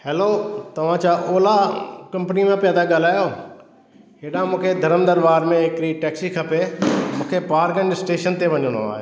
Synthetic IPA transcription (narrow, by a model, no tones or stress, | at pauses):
heːlot̪ɐʋ̤ãt͡ɕaːʔoːlakɐ̃mpnimẽpjat̪ʰaɡaːl̤aːjo | ɦeːɗãmũːkʰed̪ʱɐɾəmd̪əɾbaːɾmẽɦɪkɾiʈɛːksikʰɐpemũːkʰepaːɾkə̃ɳɖɪsʈeːʃənt̪eʋɐɲəno̰aːɦḛ